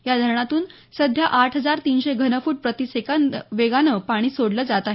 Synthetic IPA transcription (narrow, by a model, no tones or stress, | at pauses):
jad̪ʱəɾɳat̪uːn | səd̪ʱjaʔaʈʰɦəd͡zaɾt̪iːnɕeɡʱənəfuːʈ̚pɾət̪isekanʋeɡanəpaɽ̃iːsoɽləːd͡zat̪aɦe